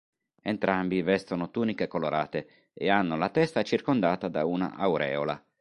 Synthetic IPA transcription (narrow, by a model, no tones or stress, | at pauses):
ent̪ɾʔambivɛst̪onot̪uːnikekoloɾaːt̪e | ɛ̰anːolat̪ɛst̪at͡ʃirkond̪aːt̪ad̪auna̰ʔawɾɛ̰ːola̰